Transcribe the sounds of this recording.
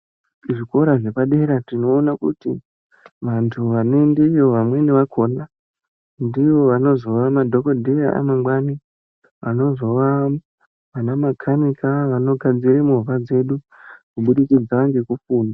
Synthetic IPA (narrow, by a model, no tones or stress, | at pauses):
ʐiko̞ɾaʐe̞paɗe̞ɾatino̞ːnakṵtḭ | ʋantʰuʋane̞ndeijo̞ʋamwe̞niʋakʰoːna | ndiʋo̞ʋano̞zo̞ʋamadʱo̞kodʱejaa̰no̞mɡwani | ʋano̞zo̞ʋa | ʋanamakʰanikaʋano̞ɡʱad͡ziɾemuuʋad͡ze̞ɗu | kuɓuɗikid͡zaʋaŋɡekufuːna